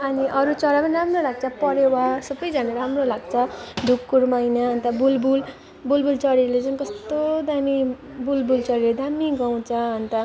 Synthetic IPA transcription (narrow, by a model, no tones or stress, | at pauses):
ʌniʔʌɾut͡sʌɾapʌniɾamrolaɡ̚t͡sʰʌpʌɾjeɦasʌbʌjd͡zanaɾamrolaɡt͡sʰʌd̪ʱukːuɾmajnʌɦʌnt̪ʌbulbul | bulbult͡sʌɽelet͡sankʌst̪od̪ami | bulbult͡sʌɽeed̪amiɡaw̃t͡sʰʌɦʌnt̪ʌ